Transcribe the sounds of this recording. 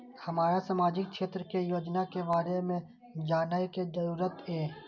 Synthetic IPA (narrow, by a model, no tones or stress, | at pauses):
hɐmaːɾasaːmaːd͡ʒɪk̚ʃeːt̪ɾəkejoːd͡ʒnakebaːɾemẽ | d͡ʒaːnaikezəɾuːɾət̪eː